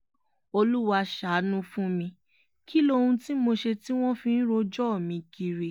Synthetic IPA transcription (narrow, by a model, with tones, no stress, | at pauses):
o˧lu˦wa˧ʃa˨˦nũ˦fũ˦mĩ˧ | ki˦lo˦˧hũ˧ti˦mo˧ʃe˧ti˦w̃ɔ̃˦fĩ˧n̩˦ɾo˧d͡ʒɔ˦˨mĩ˧ki˧ɾi˨˧